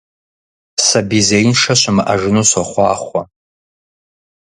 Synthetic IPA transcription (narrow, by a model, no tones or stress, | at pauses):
sabizejnʂaʃʷʰamʔaʒnuʃʷaχʷa̰ːχʷa